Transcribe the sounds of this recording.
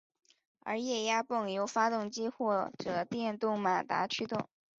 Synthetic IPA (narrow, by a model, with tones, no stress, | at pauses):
ə̰˞˧˥jɛ˥˩ja˥pɤ˥˩ŋjo˧˥ʊfa˥t̪ʊ˥˩ŋt͡ɕi˥xwɔ˥˩ʈ͡ʂɤ˨˩t̪jɛ˥˧nt̪ʊ˥˩ŋma˨˩t̪a̰˧˥t͡ɕʰy˥t̪ʊ˥˩ŋ